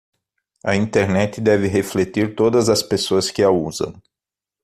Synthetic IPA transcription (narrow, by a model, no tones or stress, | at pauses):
ɐĩnt̪eɾnɛt̪ɪd̪ɛvɪɦeflet̪iɾt̪od̪ɐzɐspesoɐskɪauzɐ̰̃w̃